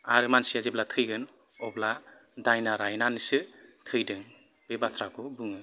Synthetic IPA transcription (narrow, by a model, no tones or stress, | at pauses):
aɾɯmansijazeblatʰɯjɡɯn | ɔbla | dajnaɾajnanɯsɯtʰɯjdɯŋ | b̥ebat̪ʰɾakʰɔbɯŋɯ